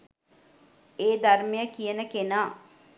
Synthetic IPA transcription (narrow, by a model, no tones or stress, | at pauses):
eːd̪armejəkijənəkenaː